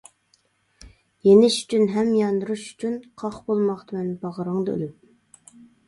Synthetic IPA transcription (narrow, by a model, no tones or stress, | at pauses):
jenɪʃy̥t͡ʃʰynɦɛmjɑnd̪ɨɾuʃy̥t͡ʃʰynqʰɑχbolˠmɑχt̪ʰɨmɛnbɑʁəɾəŋd̪ɨø̰lɪm